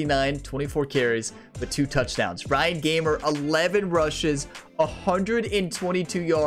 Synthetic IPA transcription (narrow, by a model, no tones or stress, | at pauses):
inãɪ̃ntʰw̥ɛ̃ɾ̃ifɔɹkʰɛɹiz̥ | b̥ʌtʰʉtʰʌt͡ʃd̥ã̰ʊ̃nz̥ɹãɪɨ̃nɡẽɪ̃mə˞ʔɪlɛvɨ̃nɹʌʃɪz | əhʌ̃ndɹɨɾɨ̃ntʰw̥ɛ̃ɾ̃itʰʉjɑ